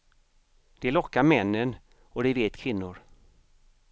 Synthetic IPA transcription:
d̪̥ɛlɔkːaɾmɛnːən | ɔd̪ɛveːt̪kʰvɪnːʊɾ

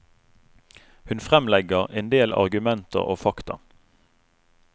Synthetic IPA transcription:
hʉnfʁɛmlɛɡəʁeːnd̪eːlɑ̰ʁɡʉmɛnt̪ʰə̰ʁo̰ːfɑkt̪ɑ̰

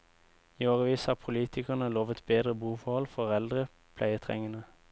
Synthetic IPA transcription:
iːoːʁəʋiːshɑːʁpʰʊliːt̪ʰɪkəʁnəloːʋət̪beːd̪ʁəbuːfɔhɔlfɔʁɛld̪ʁə | pʰlæɪət̪ʰʁɛ̰ŋənə

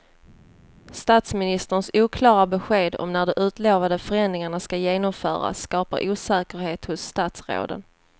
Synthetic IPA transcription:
st̪aːt̪smɪnɪst̪əɳsuːkʰlɑːɾabɛɧeːd̪ɔ̰mnæɖɛʔʉ̟ːt̪loːvad̪əfœɾɛnd̪ɾɪŋaɳaskajeːnɔmfœ̰ːɾa̰sːkɑːpa̰ɾʔuːsɛːkəɾheːt̪hʊsːt̪at̪sɾo̰ːd̪ə̰n

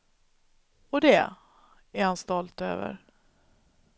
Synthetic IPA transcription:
ɔd̪ɛ | æɾhanst̪ɔlt̪ø̰ːvə̰ɾ

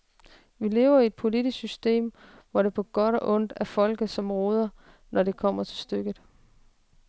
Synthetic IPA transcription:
ʋile̝̰ːʊɐie̝d̥̚pʰo̝lid̥issysd̥e̝̰ːm | ʋɒɾ̥e̝pʰɒ̽ɡ̥ɒ̽ɾ̥ɒ̽ʔɔ̽n̰d̥æɐfɒ̽l̰ɡ̥ð̩ˠsɒ̽mʁoːð̞ˠɐ | nɒɾe̝kʰɒ̽m̰ɐt͡sʰe̝lsd̥øɡ̥ð̩ˠ

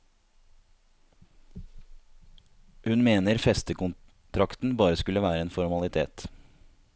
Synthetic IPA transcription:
hʉnmeːnəɾfɛst̪əkʊn | t̪ʰɾɑkt̪n̩bɑːɾəskʉləʋæːɾəeːnfɔɾmɑlɪt̪ʰḛːt̪

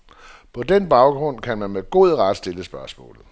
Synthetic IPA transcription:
pʰɒ̽d̥enb̥ɑ̈ʊɡ̥ʁɔ̽n̰kʰænmænmeɡ̥o̝ð̞ˠʁɑd̥sd̥e̝ləsb̥ɶɐsmɔ̰̽ːlð̩ˠ

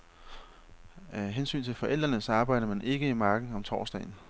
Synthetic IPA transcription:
ɦensy̰ːnt͡sʰe̝lfɒ̽ʔel̰d̥ʁɐnəsɑ̈ːb̥ɑ̈ɪ̰ɾ̥ɐmænʔe̝ɡ̥əimɑ̈ːɡ̥n̩ɒ̽mt͡sʰɒ̰ːsd̥ɛ̰ɪn̩

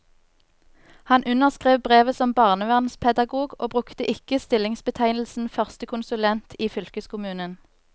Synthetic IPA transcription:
hɑnʔʉnəʁskʁeːʋbʁeːʋəsɔmbɑːʁnəʋæʁnspʰɛd̪ɑɡuːɡoːbʁʉkt̪əʔɪkəst̪ɪlɪŋsbət̪ʰæɪnl̩sn̩fœʁst̪əkʰʊnsʉlɛnt̪ʰiːfʏlkəskʰʊmʉːnən

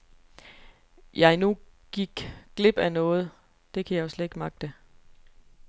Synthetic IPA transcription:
jɑ̈ɪnu | ɡ̥iɡ̥ɡ̥le̝b̥ænɔ̽ːð̞̩ˠ | d̥e̝kʰæjɑ̈jo̝sled̥e̝ɡ̥mɑ̈ɡ̥̚d̥e

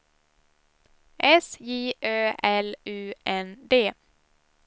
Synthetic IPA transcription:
ʔɛsjiːʔøːʔɛlʉːɛnd̪eː

